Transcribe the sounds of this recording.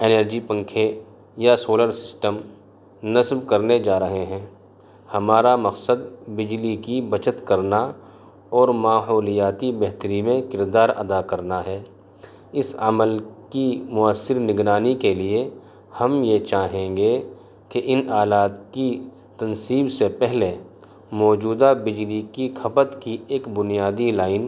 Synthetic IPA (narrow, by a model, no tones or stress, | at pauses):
eːnəɾd͡ʒipə̃ŋkʰe | jasoːləɾsɪ̥sʈəm | nɐsbkɐɾned͡ʒaːɾɐɦeɦɛ̃ː | hɐmaːɾamɐqsəd̪bɪd͡ʒlikibɐt͡ʃət̪kɐɾna | ɔːɾmaːɦɔːlijaːt̪ibɛɦt̪əɾimẽkɪɾd̪aːɾɐ̰d̪akɐɾnaɦɛː | ɪsə̰məlkimʊəsːɪɾnɪɡɾaːnikelie | hɐmjet͡ʃaːɦẽːɡe | keʔɪnaːlaːt̪ki | t̪ɐnsiːbsepɛɦle | mɔːd͡ʒuːd̪abɪd͡ʒlikikʰɐpət̪kieːkbʊnijaːd̪ilaːɪn